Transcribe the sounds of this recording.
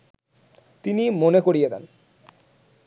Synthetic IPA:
t̪inimonekoɽijed̪ɛn

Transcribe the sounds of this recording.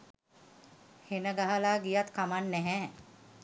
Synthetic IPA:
henəɡaɦəlaːɡijat̪kamanːɛɦɛː

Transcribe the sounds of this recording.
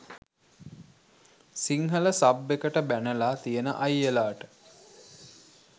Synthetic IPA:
siŋɦələsabːekəʈəbænəlaːt̪ijənə̰ʔajːelaːʈə̥

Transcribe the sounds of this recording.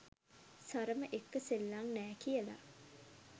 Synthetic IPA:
saɾəməʔekːəselːaŋnɛːkijəla̰

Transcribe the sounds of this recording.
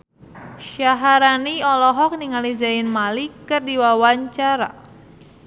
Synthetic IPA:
ʃaɦaɾaniɔlɔɦɔk̚niŋalizaɪnmalikɨrdiwawaɲt͡ʃaɾa̰

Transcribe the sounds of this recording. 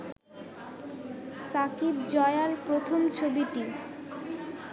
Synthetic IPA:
sakib̚d͡ʑɔeaɾpɾot̪ʰomt͡ɕʰobiʈi

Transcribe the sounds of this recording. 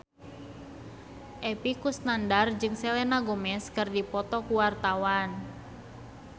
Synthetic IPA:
ʔepikusnandard͡ʒɨŋselenaɡomɛskɨrdipɔt̪ɔkuwart̪awan

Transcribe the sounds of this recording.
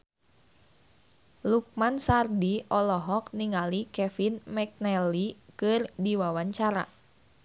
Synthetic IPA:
luk̚mansardiɔlɔɦɔk̚niŋalikɛfinmɛk̚nɛlikɨrdiwawaɲt͡ʃaɾa̰

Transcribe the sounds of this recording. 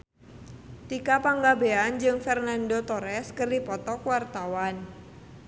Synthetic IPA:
t̪ikapaŋɡabeand͡ʒɨŋfɛrnandot̪ɔɾɛskɨrdipɔt̪ɔkwart̪awan

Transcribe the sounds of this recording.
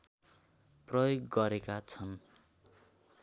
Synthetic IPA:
prʌjoɡːʌɾekat͡sʰʌn

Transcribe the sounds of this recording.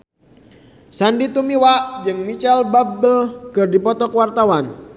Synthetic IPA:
sandit̪umiwaʔd͡ʒɨŋmit͡ʃɛlbabəlkɨrdipɔt̪ɔkəwart̪awan

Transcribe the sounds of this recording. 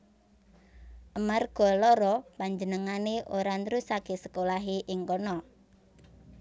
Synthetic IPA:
ʔəmarɡ̥ɔ̤lɔɾɔpaɲd͡ʒənəŋaneʔoɾanɾusakesəkolaɦeʔɪŋkɔnɔ

